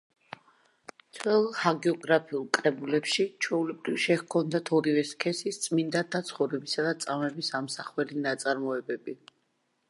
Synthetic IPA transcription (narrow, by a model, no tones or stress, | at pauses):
t̪ʰwɛlˠhaɡɛɔɡɾapʰiulˠkʼɾɛbulɛpʃit͡ʃʰwɛulɛbɾivʃɛhkʰɔnd̪at̪ʰɔɾivɛskʰɛsist̪sʼmind̪ad̪at̪sʰχɔvɾɛbisad̪at̪sʼavmɛbisamsaχwɛlinat̪sʼaɾmɔɛbɛbi